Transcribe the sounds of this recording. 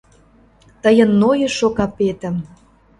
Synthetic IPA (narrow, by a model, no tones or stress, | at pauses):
t̪əjənːojɤ̆ʃokɑpet̪ə̆m